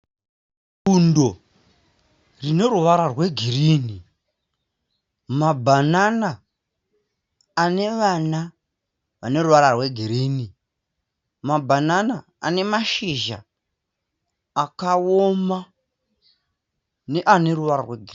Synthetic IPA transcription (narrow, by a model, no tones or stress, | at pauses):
kundo̞ | rine̞ɾuʋaɾarwe̞ɡʱiɾiːni | mabʱanana | ne̞ʋana | ʋane̞ɾuʋaɾarwe̞ɡʱiɾiːni | mabʱanana | a̰ne̞maʃiʒa̰ | kaoma | ne̞ʔane̞ɾuʋaɾarweɡʱir